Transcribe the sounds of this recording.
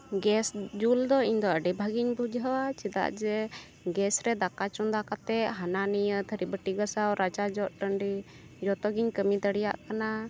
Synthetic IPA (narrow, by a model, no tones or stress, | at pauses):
ɡɛsd͡ʒuld̪ɔiɲd̪ɔəɖɛbʱaɡiɲbud͡ʒʱɦəwat͡ʃid̪a̰ʔd͡ʒɛ | ɡɛsɾɛd̪akat͡ʃund̪akat̪ɛʔɦananijət̪ʰəɾibəʈiɡəsawɾat͡ʃad͡ʒɔʔ̪̚ʈəɳɖi | d͡ʒɔt̪ɔɡiɲkəmid̪əɽɛjaʔkana